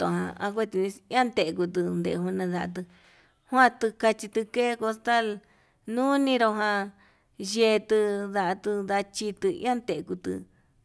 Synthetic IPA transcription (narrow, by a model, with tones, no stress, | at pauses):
o̰˧˨ɦã̰˧a̰˧k̬ʷe˦t̪i˧nĩ˧˦ã˦nt̪e˨ʔku˧t̪ɨ˧nd̪ḛ˨ʔɦu˧nã˧ða˧ʔa̰˧t̪̬ɨ˧ | hwã˦˧t̪ɨ˧ka˧t͡ʃi˧t̪ɨ˧ke˦˧ko˧st̪a˦l | nũ˦nĩ˧ɾo˧ɦã˧ | je˧t̪ɨ˧ða˧ʔa˧t̪ɨ˧ða˧t͡ʃi˧t̪ɨ˧ḭ̃˦ã˦nt̪e˨˧ku˧t̪ɨ̰˧